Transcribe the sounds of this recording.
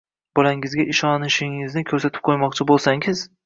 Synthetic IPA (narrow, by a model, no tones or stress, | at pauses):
b̥ɒlaŋɪzɡʲaʔɪʃɒnɪʃɪŋɪznɪkʲʰɵɾsat̪ʰɪ̥p̚qʰojmɒqt͡ʃʰɪbolˠsaŋɪz̥